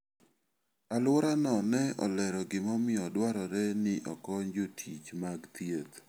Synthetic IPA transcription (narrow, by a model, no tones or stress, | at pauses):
alwɔɾanɔnɛɔ̰lɛɾɔɡɪmɔmɪɔdwaɾɔɾɛnɪʔɔkɔɲd͡ʒotʰit͡ʃmaɡt̪jet̪